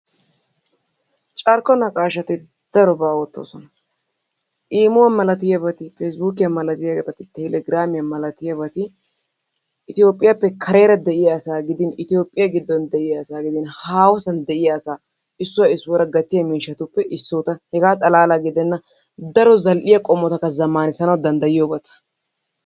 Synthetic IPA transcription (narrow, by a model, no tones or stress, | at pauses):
t͡ʃʼɐɾkɔnɐkʼaːʃɐt̪ɪ | d̪̥ɐɾɔbaːwɔt̪ːo̰ːsɔnɐ | ʔiːmʊwɐmɐlɐt̪ɪjɐbɐt̪ɪfeːs̬buːkɪjɐmɐlɐt̪ɪjɐbɐt̪ɪt̪ɛlɛɡɪɾaːmɪjɐmɐlɐt̪ɪjɐbɐt̪ɪ | ɪt̪ɪjo̞ːpʼːɪjapːɛkʰɐɾe̞ːɾɐd̪ɛʔɪjɐːsaːɡɪd̪ɪnɪt̪ɪjo̞ːpʼːɪjɐɡɪd̪ːɔnd̪ɛʔɪjɐːsaːɡɪd̪ɪnhaːwɔsɐnd̪ɛʔɪjaːsaː | ɪsːʊwɐɪsːʊwɔɾɐɡɐt̪ːɪjɐmiːʃɐt̪ʊpːɛʔɪsːoːt̪ɐhɛɡaːt̪ʼɐlaːlaɡɪd̪ɛnːɐ | d̪ɐɾɔzɐlʔɪjɐkʼɔmːɔt̪ɐkːɐzɐmːaːnɪsɐnɐwd̪ɐnd̪ɐjɪjoːbɐt̪ɐ̥